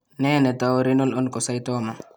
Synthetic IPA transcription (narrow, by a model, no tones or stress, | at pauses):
nɛːnɛtawɾinɔlɔnkɔsajtɔma